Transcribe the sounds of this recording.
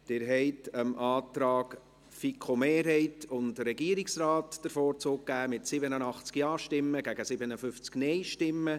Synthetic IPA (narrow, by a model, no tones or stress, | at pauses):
d̥ɪːɾɦɛɪtʰəmʔɑːtɾɑːɡ | fikʰχomeːɾɦɛɪtʊndəɾɛɡiəɾɪksɾɑːtd̥əɾfoːɾt͡soːk̚ɡæːmɪtsɪbənənɑχt͡skjɑːʃtɪmːəɡæɡəsɪbənəfʏft͡sknɛɪʃtɪmːə